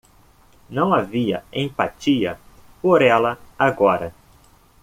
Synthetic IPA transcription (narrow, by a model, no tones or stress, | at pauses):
nɐ̃w̃aviɐẽpat͡ʃiɐ | poɾɛlɐaɡɔɾɐ